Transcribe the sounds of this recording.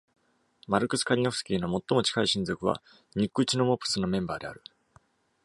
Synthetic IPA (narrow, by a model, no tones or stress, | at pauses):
maɾɯ̟kɯ̟sɨ̥kaɾʲinoɯ̥sɨ̥kʲiːnomo̞t̪ːo̞mo̞t͡ɕi̥kaiɕĩnd͡zo̞kɯ̟βa̰ | ɲ̟ikːɯ̟t͡ɕino̞mopːɯ̥sɨno̞mẽ̞mbaːd̪e̞a̰ɾɯ̟